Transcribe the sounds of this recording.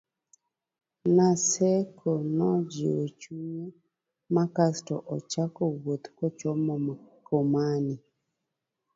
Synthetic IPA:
nasɛkʰɔnɔd͡ʒeot͡ʃuɲe | makastɔʔɔt͡ʃakowot̪kɔt͡ʃɔmɔmkomani

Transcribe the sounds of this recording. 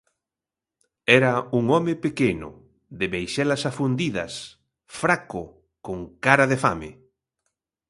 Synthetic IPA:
ɛɾɐuŋɔmɪpekenʊ̰ | ðɪβejʃɛlɐsafund̪iðɐ̰s | fɾakʊ | koŋkaɾɐðefa̰mɪ̰

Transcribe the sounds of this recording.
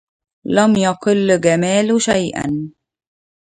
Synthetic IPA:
lamjaqɨlːɡamaːlʃajʔa̰n

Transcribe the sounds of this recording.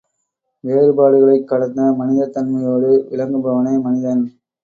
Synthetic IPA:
ʋeːɾɯbaːɽɯɣɐɭɐɪkːɐɽɐt̪d̪ɐmɐnɪðɐt̪ːɐnmɐjoːɽɯʔɪɭɐŋɡɯbɐʋɐnɐɪmɐnɪðɐn

